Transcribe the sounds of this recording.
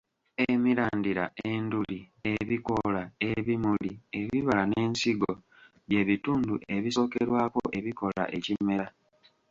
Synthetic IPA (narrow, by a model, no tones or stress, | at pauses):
emiɾaːndiɾa̰ʔendulie̞βiko̞laeβimulie̞βiβalane̞ːnsiɡo̞ | je̞βituːnduʔe̞βiso̞ːkeɾwaːko̞̰ʔe̞βiko̞la̰ʔe̞cime̞ɾa